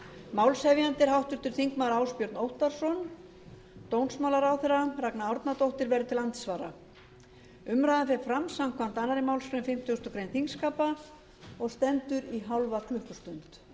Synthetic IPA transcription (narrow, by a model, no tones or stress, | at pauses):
maːwlsɛvjant̪ɪɾ̥ɦawht̪ʏɾ̥t̪ʏɾ̥θiŋkmaɾaːwspjœɾt̪nowht̪aɾ̥sɔn | t̪ownsmawlaɾawθɛraraknaɔwɾt̪nat̪owht̪ɪɾvɛɾʏt̪ʰɪlant̪svaːɾa̰ | ʏmɾajðafɛfɾamsam̥kʰvan̥t̪anːaɾɪmawlsfɾʏnfɪm̥t̪jʏst̪ʏkɾejnθiŋskaːpa | ɔɣst̪ɛnt̪ʏɾiɦawlvakʰlʏhkʏst̪ʏnt̪